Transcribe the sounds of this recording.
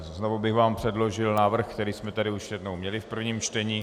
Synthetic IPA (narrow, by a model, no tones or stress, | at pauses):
znovobɪɣvaːmpr̝̥ɛdloʒɪlnaːvr̩xkt̪ɛɾiːsmɛt̪adɪuʃsɛdnowmɲɛlɪfpr̩vɲiːmt͡ʃt̪ɛɲiː